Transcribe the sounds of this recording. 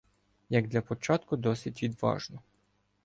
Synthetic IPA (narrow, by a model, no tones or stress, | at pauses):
jɐɡ̚d̪lʲɐpɔt͡ʃɑt̪kʊd̪ɔsʲitʲʋʲid̪ʋɑ̰ʒnɔ